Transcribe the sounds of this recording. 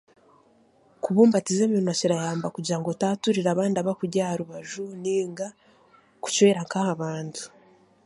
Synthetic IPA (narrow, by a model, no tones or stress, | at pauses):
kuβuːmbatizeːminwaciɾajaːmbakuɟaŋɡo̞taːtuɾiɾaβaːndaβakuɾɟahaɾuβaʒuniːŋɡa | ku̥cweːɾaŋkahaβaːntu̥